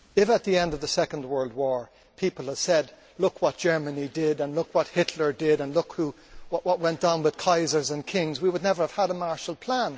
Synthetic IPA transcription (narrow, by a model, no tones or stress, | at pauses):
ɪfət̪̚ðiɛ̃ndʌvðəsɛkə̃n̩d̚wɜ˞lˠd̚wɔɹ | pʰipl̩ˠəv̥sɛd | lʊkwʌt̚d̥ʒ̥ɜ˞mɨnidɪɾə̃nlʊkwʌt̚hɪtʰlə˞dɪɾə̃nlʊkhu | wʌʔwʌt̚wɛ̃nd̥ãʊ̃nwɨð̥kʰaɪzə˞zə̃nkʰɪ̃ŋzwiwʊdⁿnɛvə˞əv̥əɾəmɑɹʃl̩ˠpʰl̥æ̃n